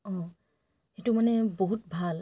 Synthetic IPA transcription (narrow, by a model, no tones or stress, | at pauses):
ɔ̃ | xetumanɛboɦut̚bʱal